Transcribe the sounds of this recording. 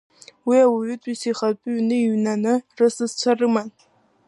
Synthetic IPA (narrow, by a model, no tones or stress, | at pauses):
wiawaɥʏtʷʼisiχapʼɨɥnɨiɥnanɨrɨsɨzt͡sʷʰarɨman